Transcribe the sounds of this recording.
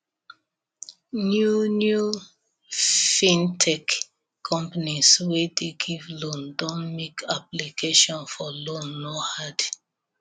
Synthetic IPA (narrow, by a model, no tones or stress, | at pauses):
njunju | fĩntʰɛkʰː | ɔ̃mpaniswedeɡivlõndɔ̃nmekaplikʰeʃɔ̃nfɔlõnːɔhad